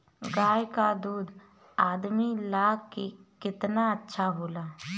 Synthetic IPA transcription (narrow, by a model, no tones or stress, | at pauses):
ɡaːjkad̪uːd̪ | aːd̪milaːɡkːikɪt̪naətːʃʰaboːlaː